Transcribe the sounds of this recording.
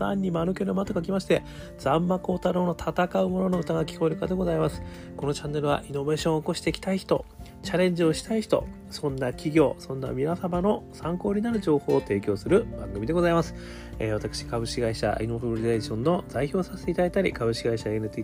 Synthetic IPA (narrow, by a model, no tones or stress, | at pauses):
ã̰ɲ̟ʲːimanokʲoɾemat̪okak̬ʲimaɕi̥t̪e̞ | d͡z̥ãmːako̞ːt̪aɾo̞ːno̞t̪ʰat̪akaɯ̟mo̞no̞noɯ̟t̪aɡakʲi̥ko̞iɾɯ̟kad̪e̞ɡo̞zaimasɨ̥ | ko̞no̞t͡ɕãnːe̞ɾɯ̟βa̰ʔino̞be̞ːɕõɰ̃oːko̞ɕi̥t̪e̞ikʲi̥t̪aiçi̥t̪o̞ | t͡ɕaɾẽ̞ɲ̟d͡ʑio̞ɕi̥t̪aiçi̥t̪o̞̰ | sõ̞nːakʲiɡʲo̞ːsõ̞nːa̰mʲinasabano̞sãŋko̞ːɾʲinaɾɯ̟ʑo̞ːho̞ːt̪e̞ːkʲo̞ːsɨɾɯ̟bãŋɡɯ̟mʲid̪e̞ɡo̞zaimasɨ̥ | ḛβ̞at̪akɯ̟̥ɕi̥kaβɯ̟ɕkʲiɡaiɕa̰inob̪oɾɾʲid̪eʑõ̞nːo̞zaiço̞ːsaset̪e̞it̪ad̪ait̪aɾʲḭkabɯ̟ɕkʲiɡaiɕaenɯ̟t̪iː